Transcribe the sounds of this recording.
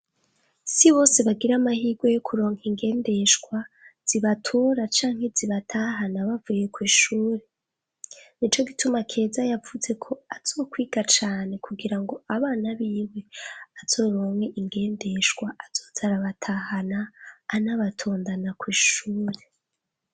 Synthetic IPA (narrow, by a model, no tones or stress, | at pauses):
siβo̞ːseβaɡiɾamahiːɡwo̞jokʰuɾo̞ːŋiŋɡe̞ːnde̞ʃɡwaz̥iβatʰoɾat͡ʃaːŋhe̞ziβatʰaɦanaβavuje̞kwiːʃuːɾe̞ | nit͡ʃo̞ɡitumakʰe̞ːzajavuze̞kʰo̞az̥o̞ːkwiːɡ̥at͡ʃaːne̞kuɡiɾaŋɡo̞aβaːnaβiːwe̞az̥o̞ːɾo̞ːŋeʔiŋɡe̞ːnde̞ʃɡwaaz̥o̞ːzaɾaβatʰahanaːnaβatʰoːndanakwiːʃuːɾe̞